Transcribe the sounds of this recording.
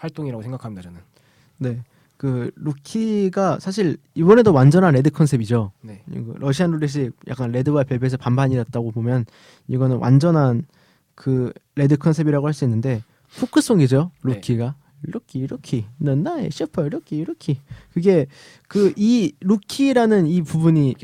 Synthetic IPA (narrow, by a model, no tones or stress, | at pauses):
hwaɭt͈oŋiɾaɡosʰeŋɡakʰamidad͡ʑʌnɯn | ne̞ | kɯɾukʰiɡasʰaɕʰiɭibʌne̞dowand͡ʑʌnɦanɾe̞dɯkʰʌnsʰe̞bid͡ʑoneɡɯɾʔʌɕʰianːuɾeɕ̬ʰik̚jʔa̰k͈anɾe̞dɯwapjebes̬ʰʌpambaɲidat̚t͈aɡobomjʌn | iɡʌnɯnwa̰nd͡ʑʌnɦan | kɯɾe̞dɯkʰʌnsʰe̞biɾaɡohaɭs͈uinːɯnde̞ | pʰokʰɯs͈oŋɡid͡ʑoɾukʰiɡa | ɾokʰiːɾʌkʰinɯnːaḛɕʰipʰʌɾokʰiiɾʌkʰikɯɡe̞ | kɯʔiɾukʰiɾanɯnipubuɲi